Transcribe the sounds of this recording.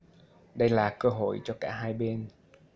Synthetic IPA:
ɗə˧jlaː˨˩kəː˧ɦo̰˧˨jt͡ɕɔ˧kaː˧˩ɦaː˧jɓe˧n

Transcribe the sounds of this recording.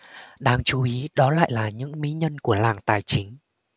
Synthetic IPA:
ɗaː˧ŋt͡ɕu˨˦ʔi˨˦ɗɔ˨˦la̰ː˧˨jlaː˨˩ɲɨ̰˧˥ŋmḭ˧˥ɲə˧nku˧˩əlaː˨˩ŋt̪aː˨˩jt͡ɕï˨˦ŋ̟

